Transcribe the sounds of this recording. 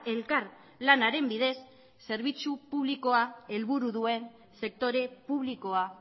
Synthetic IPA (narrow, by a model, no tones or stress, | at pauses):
e̞lkaɾ | lanaɾe̞mbiðe̞sː | e̞ɾβ̞it͡supuβ̞liko̞ae̞lβuɾuðue̞n | se̞k̚t̪o̞ɾe̞puβliko̞a